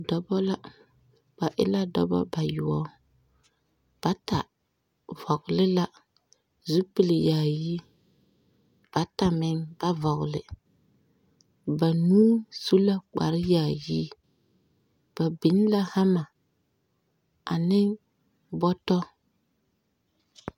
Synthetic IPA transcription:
dɔ˦bɔ˦la˦ | b̥a˨ʔɪ̰˦la˦dɔ̰˦bɔ̰˦ba˨jʊ˨ɔ˦ | b̥a˨ta˨ | vɔ˨ɡlɪ˦la˦ | zu˦pi˨lɪ˨jaː˨ji˦ | b̥a˨ta˨mɪ˦ŋb̥a˦vɔ˨ɣlɪ̰˨ | ba˨nuː˦su˦la˦k͡pa̰˨ɾɪ˦jaː˨ji˦ | b̥a˨bi˨˦n˦la˦ha˦ma˨ | a̰˨nɪ˦ | bɔ˦tɔ˦

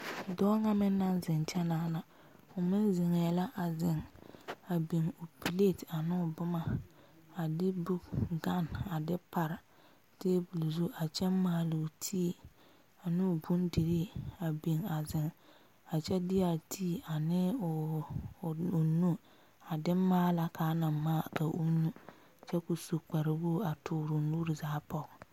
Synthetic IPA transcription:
dɔː˦ŋa˦mɪ˦nːa˦nzɪ˨nt͡ʃɛ˦naː˨˦na˨ | ʊ˨mɪ˦nzɪ˨ŋɛ˨la˦ʔa˨zɪ˨ŋa˨bi˨ŋʊ˨pi˨le˦˨ta˨nɪ˦ʊ˨bʊ˦ma˨ | a˨dɪ˦bu˦kɡa˦˨na˨dɪ˦pa˨ɾɪ˨ | teː˦bu˨li˨zu˦ʔa˨t͡ʃɛ˦maː˦˨lɪ˨tʰiː˦˨ | a˨nɪ˦ʊ˨bu˦ndi˨ɾi˦a˨bi˨ŋa˨zɪ˨ŋ | a˨t͡ʃɛ˦dɪ˦ja˨tʰiː˦˨a˨nɪ˦˨ | ʊ˨nu˦ | a˨dɪ˦maː˦la˦kaː˨˦na˨maː˦˨ka˨ʔu˦nu˦ | t͡ʃɛ˦ku˨su˨k͡pa˨ɾɪ˨buː˦a˨tʰʊː˨˦ɾʊ˨nuː˦ɾɪ˨zaː˨˦pɔ˦˨

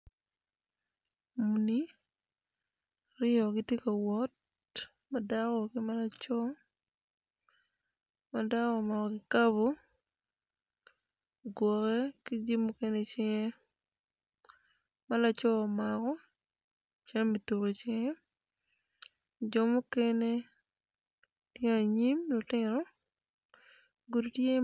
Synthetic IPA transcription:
mu˨ni˦ | ɾɪ˦ɔ˨ɡɪ˦tje˦ka˨wɔ˦t̚ | ma˨da˦kɔ˨kɪ˦ma˦la˦t͡ʃɔ˦ | ma˨da˦kɔ˨ma˨kɔ˨kɪ˨ka˦bo˨ | ɡwɔ˨kɛ˦kɪ˦d͡ʒi˦mːu˦ke˦ne˦t͡ʃɪ˦ŋe˦ | ma˦la˨t͡ʃɔ˦ɔ˨ma˨kɔ˦ | t͡ʃa˦ŋ˦mi˨to˨ko˨t͡ʃɪ˦ŋe˦ | d͡ʒɔ˨mu˦ke˦ne˦ | tjŋa˨ɲi˦mlotɪ˦ɾɔ˦ | ɡu˨dtje˦

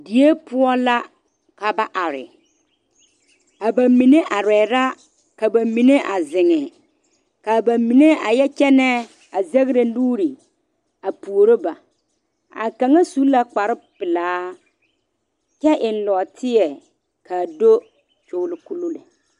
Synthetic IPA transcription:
di˨e˦pʊ˦ɔ˦la˦ | ka˨ba˨ʔa˨ɾɪ̰˨ | a˨ba˨mi˨ne˦ʔa˨ɾɛː˨ɾa˦ | ka˨ba˨mi˨ne˦ʔa˨zɪ˨ŋɛ˨ | ka˨ba˨mi˨ne˦a˨jɛ˦t͡ʃɛ˦nɛ˦ | a˨ze˦ɣɾe˨˦luː˦ɾi˨ | a˨pu˨o˨ɾo˦ba˨ | a̰˨ka˨ŋa˦su˨˦la˦k͡pa˨ɾɪ˦pɪ˨laː˨˦ | t͡ʃɛ˦ʔɪ˨n̩˦lɔ˨tʰɪ˦ɛ˨ | kʰa˨do˦ | t͡ʃʊ˦lɪ˨ku˦lo˦lɛ̰˨

